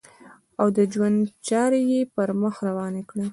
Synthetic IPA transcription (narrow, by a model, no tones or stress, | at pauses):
awd̪əd͡ʒwand̪t͡ʃɑɾejepəɾməxɾawɑnekɽe